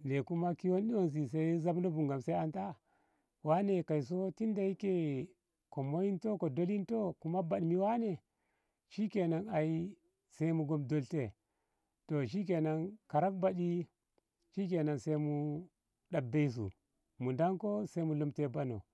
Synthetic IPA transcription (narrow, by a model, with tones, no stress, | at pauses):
ne˨ku˦ma˦ki˦wo˦nɗi˦wo˦ns̬i˨s̬a˦za˦bno˦bu˨ŋɡa˨msa˦a˦nta˦ | wa˦ne˨ka˨i˨s̬o˦ti˦nda˨i˦ke˨ | ko˨mo˦ji˦nto˦ko˨do˦li˦nto˦ku˦ma˦ba˨ɗmi˨wa˦ne˨ | ʃi˦ke˨na˨na˨i˦ | se˦i˦mu˨ɡo˨mdo˨lte˨ | to˨ʃ̬i˦k̬e˨na˨nka˨ɾa˦k̚ba˨ɗi˦ | ʃi˦k̬e˨na˨nse˦i˦mu˦ | ɗa˨bːe˦i˦s̬ṵ˨ | mu˨nda˦ŋko˦sa˦i˦mu˨lo˦mte˨ba˦no̰˨